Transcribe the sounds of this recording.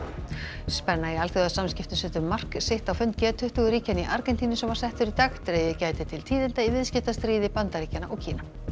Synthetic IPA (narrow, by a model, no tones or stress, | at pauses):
spɛnːaialθeɣðaðsamscɪft̪ʏsʏːt̪ʏmːar̥kseht̪awfʏnt̪̚cɛːt̪ʰʏht̪ʏɣʏɾiːcaniʔaɾkɛnt̪ʰiːnɪsɛmvaɾ̥sɛht̪ʏɾit̪axt̪ɾeːjɪcaːjt̪ɪt̪ʰɪlt̪ʰiːðɪnt̪aivɪðscɪft̪ast̪ɾiːðɪpant̪aɾiːcanaʔɔɣcʰiːna